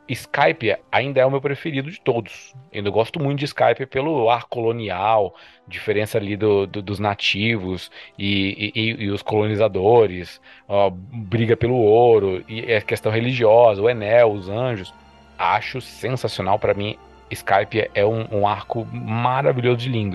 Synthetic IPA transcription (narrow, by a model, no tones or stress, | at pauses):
iskajpiɐaĩnd̪ɐɛʊmewpɾefeɾid̪ʊd͡ʒɪt̪od̪ʊsãnd̪ɐɡɔst̪ʊmũt̪ʊd͡ʒɪiska̰jpiɐpelʊaɾkʊkolõniaw | d͡ʒifeɾẽsɐːlid̪ʊd̪ʊd̪ʊznat͡ʃivʊsɪː | ʊskolonizad̪oɾɪs | ɔbɾiɡɐpelʊoɾʊɪɐkest̪ɐ̃w̃heliʒiɔzɐʊenɛwʊzɐ̃ʒʊs | a̰ʃʊsẽsasiona̰wpɾɐmĩ | ɪskajpiɐʔɛũũaɾkʊmaɾaviʎʲozʊd͡ʒɪlĩnd̪ʊ